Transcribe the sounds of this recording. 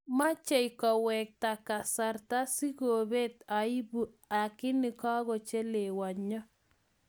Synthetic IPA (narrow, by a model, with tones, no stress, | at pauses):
ma˦t͡ʃe˦jkɔ˨wɛ˨k̚ta˨ka˨sa˨rta˦si˦ɡo˨be˦ta˨i˦bu˨ | a˨kɪ˦nɪ˨kɔ˦ɣɔ˨t͡ʃe˦le˨wa˨ɲɔ˦